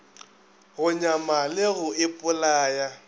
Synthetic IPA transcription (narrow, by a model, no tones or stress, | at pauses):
ɣʊɲamalɪɣʊɪpʼʊlaːja